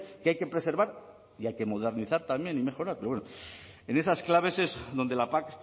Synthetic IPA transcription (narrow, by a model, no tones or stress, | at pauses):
keajke̞pɾe̞se̞ɾβaɾ | iajke̞mo̞ð̞e̞ɾniθaɾt̪amje̞nime̞xo̞ɾaɾpeowenoene̞sasklaβ̞e̞se̞zðo̞nd̪e̞lapak